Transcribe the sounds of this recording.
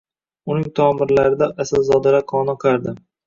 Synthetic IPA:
ʊnɪŋt̪ʰɒːmɪɾlaɾɪd̪aʔasɪlzɒd̪ɪɾaqʰɒːnɒqʰaɾd̪ɪ

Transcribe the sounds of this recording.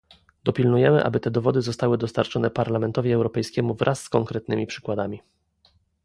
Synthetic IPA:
d̪ɔpʲilnujɛmɘʔa̰bɘt̪ɛd̪ɔvɔd̪ɘzɔst̪awɘd̪ɔst̪aɾt͡ʂɔnɛpaɾlamɛnt̪ɔvʲiɛwɾɔpɛjskʲɛmuvɾʔasːkɔŋkɾɛt̪̚nɘmʲipʂɘ̥kwad̪amʲi

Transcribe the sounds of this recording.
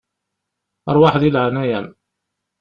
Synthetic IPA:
ɾˤwaħðilʕnæjæm

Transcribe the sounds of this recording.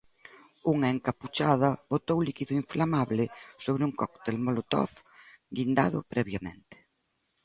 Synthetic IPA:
uŋɐeŋkaput͡ʃaðɐβot̪owlikiðʊiɱflamaβlɪsoβɾuŋkɔkt̪elmolot̪ɔ̰fɡind̪a̰ðʊ̰pɾɛβjamḛ̃nt̪ɪ̥

